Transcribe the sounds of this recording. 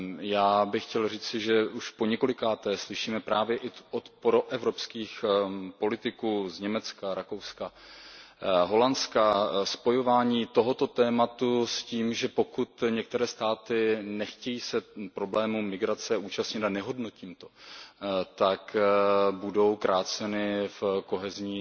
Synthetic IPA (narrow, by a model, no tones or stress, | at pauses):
jaːbɪxːcɛlriːt͡sɪʒɛuʃpo̞ɲɛko̞lɪkaːt̪ɛːslɪʃiːmɛpɾaːvjɛʔɪʔot̪pɾo̞ʔɛvɾo̞pskiːxpo̞lɪt̪ɪkuːzɲɛmɛt͡skaɾako̞wska | ɦo̞lanskaspo̞jo̞vaːɲiːt̪o̞ɦo̞t̪o̞t̪ɛːmat̪usciːmʒɛpo̞kut̪ɲɛk̚t̪ɛɾɛːst̪aːt̪ɪnɛxcɛjiːsɛpɾo̞blɛːmumɪɡɾat͡sɛuːt͡ʃast̪ɲɪt̪anɛɦo̞dno̞ciːmt̪o̞ | t̪akbudo̞wkɾaːt͡sɛnɪfko̞ɦɛzɲiː